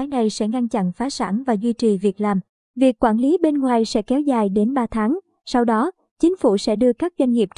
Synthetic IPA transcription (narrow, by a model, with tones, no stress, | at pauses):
aː˨˦jna˨˩jsɛ̰˧˥ŋa˧nt͡ɕa̰˧˨nfaː˨˦sa̰ː˧˩nvaː˨˩zwi˧t͡ɕi˨˩vi˨˩ək̚laː˨˩m | vi˨˩əkːwaː˧˩nli˨˦ɓe˧nŋwaː˨˩jsɛ̰˧˥kɛ˨˦wzaː˨˩jɗe˨˦nɓaː˧t̪ʰaː˨˦ŋ | sa˧wɗɔ˨˦ | t͡ɕï˨˦ŋ̟fṵ˧˩sɛ̰˧˥ɗɨ˧əkaː˦˥k̚zwa˧jŋ̟ŋi˨˩əp̚